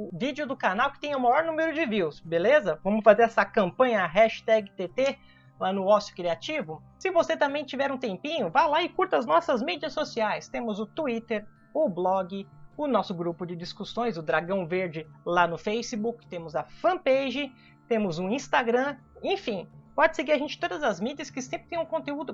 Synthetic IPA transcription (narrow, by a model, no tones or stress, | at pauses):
ʊvid͡ʒiʊd̪ʊkanawkɪ̥t̪ẽɲ̃ɐʊmajɔɾnũmeɾʊd͡ʒɪviwsbelezɐvɐ̃mʊsfazeɾɛsɐkɐ̃mpɐ̃ɲɐːɦɛʃt̪ɛɡɪt̪et̪e | lanʊɔsjʊ̥kɾiat͡ʃivʊ | sɪvoset̪ɐ̃mbẽj̃t͡ʃivɛɾũt̪ẽmpĩɲʊvajlaɪkuɾt̪ɐznɔsɐzmid͡ʒiɐsːosiajst̪ẽmʊzʊt̪uit̪eɾ | ʊblɔɡɪʊnɔsʊɡɾupʊd͡ʒɪd͡ʒiskusõj̃zʊd̪ɾaɡɐ̃w̃veɾd͡ʒɪlanʊfejsɪbukɪ̥t̪ẽmʊzɐfɐ̃pejʒɪ | t̪ẽmʊzʊ̃ĩst̪aɡɾɐ̃ | ẽfĩpɔd͡ʒɪseɡiɾaʒẽnt͡ʃɪ̥t̪od̪ɐzɐzmid͡ʒiɐskɪsẽmpɾɪt̪ẽj̃ũkõnt̪eud̪ʊ